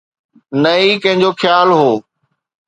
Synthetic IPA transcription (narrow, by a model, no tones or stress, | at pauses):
nɐikɐ̃ɦɪ̃ɲd͡ʑoxjaːlɦoː